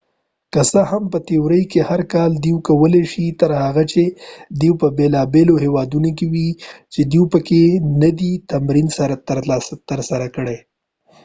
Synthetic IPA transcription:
kəsəhampət̪ewɾəjkehaɾkɑld̪iwkawəleʃit̪əɾhaɣat͡ʃed̪iwpəbelɑbeloɦewɑd̪unokewit͡ʃed̪iwpəkenad̪it̪amɾinsaɾat̪t̪əɾsaɾakəɽe

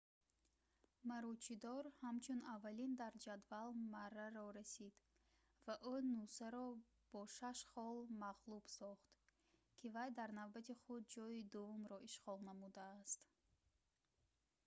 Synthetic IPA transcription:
maɾɔt͡ʃʰid̪ɔɾhamt͡ʃʰunavːalind̪aɾd͡ʒad̪valmarːaɾɔɾasid̪ | vaʔunusaɾɔ | b̥ɔʃaʃχɔlmaʁlub̥sɔχt̪ | kʰivajd̪aɾnavbat̪ʰiχud̪̚d͡ʒɔjid̪uvumɾɔʔiʃʁɔlˠnamud̪aːst̪

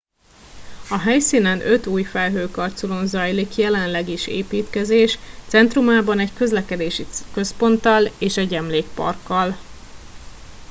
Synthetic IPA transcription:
ɒɦɛjsiːnɛnʔø̞t̪uːjfɛlɦøːkɒrt̪sulo̞nzɒjlikjɛlɛnlɛɡiʃḛːpiːt̪kɛzeːʃt̪sɛnt̪rumaːbɒnɛɟkø̞zlɛkɛd̪eːʃikø̞spo̞nt̪ɒleːʃɛɟɛmleːk̚pɒ̰rkːɒl

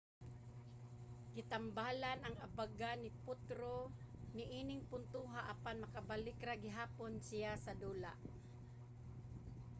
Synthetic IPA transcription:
ɡɪt̪ambaːlanɐŋabaɡanɪpʊt̪ɾo | nɪʔinɪŋpʊnt̪uɦaʔɐpanmɐkabalɪkɾaɡɪɦaːponsɪjasad̪uːla̰ʔ

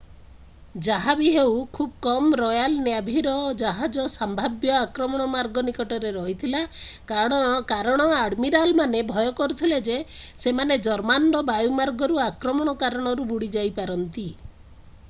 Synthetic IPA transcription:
d͡ʒaɦabiɦewkʰub̚kɔmɾɔjalnjabʱiɾɔd͡ʒaɦad͡ʒɔsambʱabjɔakɾɔmɔɽ̃ɔmaɾɡɔnikɔʈɔɾeɾɔɦit̪ʰilakaɽ̃ɔ̃ɔkaɾɔɽ̃ɔaɽmiɾalmanebʱɔjɔkɔɾut̪ʰiled͡ʒesemaned͡ʒɔɾmanɖɔbajumaɾɡɔɾuakɾɔmɔɽ̃ɔkaɾɔɽ̃ɔɾubuɽid͡ʒajpaɾɔnt̪i

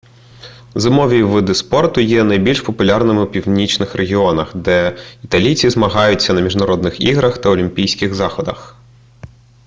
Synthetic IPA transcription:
zɪmɔʋʲiʋɪd̪ɪspɔrt̪ʊjɛnɐjbʲilʲʃpɔpʊlʲɑrnɪmɪwpʲiwnʲit͡ʃnɪxɾeɦʲiɔnɐxd̪ɛit̪ɐlʲijt͡sʲizmɐɦɑjʊt͡sʲːɐnɐmʲiʒnɐɾɔd̪nɪxiɣɾɐxt̪ɐɔlʲimʲpʲijsʲkɪɣzɑxɔd̪ɐ̰x

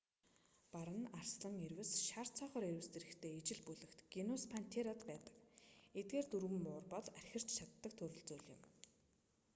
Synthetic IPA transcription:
paɾə̆narsɮə̆ŋerwɘ̆sʃar̥t͡sʰɔːχɔːɾeɾwɘ̆st̪ĕɾɘ̆kt̪ʰeːit͡ɕɪ̆ɮpuɮɘ̆kt̪ɡ̥inɔspʰan̥t̪ʰeɾat̪pæːt̪ə̥̆ket̪̚ɡeːrt̪uɾɣɘ̆mːʊːrpɔɮærʲxʲɪ̆r̥t͡ɕt͡ɕʰat̪ːə̆k̚t̪ʰɵɾɵ̆ɮt͡suːɮjɪ̆m

